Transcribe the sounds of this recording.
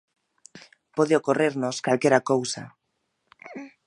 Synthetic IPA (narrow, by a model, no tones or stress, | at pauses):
poðeokoreɾnoskalkeɾakowsa̰